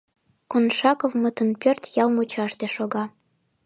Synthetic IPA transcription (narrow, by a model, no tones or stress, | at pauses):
konʃɑkovmət̪ənpørt̪jɑlmut͡ɕɑʃt̪eʃoɣɑ